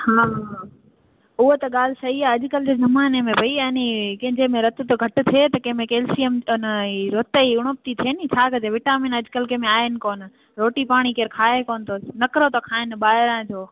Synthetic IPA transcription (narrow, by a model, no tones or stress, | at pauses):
haː | ʊɦot̪ɐɠaːl̤ɪsɐɦiaːɐʄʊkɐlɪd͡ʑeːzɐmaːnemẽbʱɐiɐnikɐ̃ɦɪ̃ɲd͡ʑemẽɾɐt̪t̪oɡʱɐʈʊ̆t̪ʰiet̪ɐkɐ̃ɦmẽkeːlsiəmniɾoːt̪əiʊɽ̃op̚t̪it̪ʰieːnit͡ɕʰaːkɐd͡ʑeʋɪʈaːmɪnɐd͡ʑʊkəlkɐ̃ɦɪ̃mẽaːɪnɪ̆koːn | ɾoːʈipaːɽ̃ikeːɾkʰaːekoːnɪt̪ʰoːsnɐkɾot̪ɐkʰaːɪnɓaːɪɾãːd͡ʑoː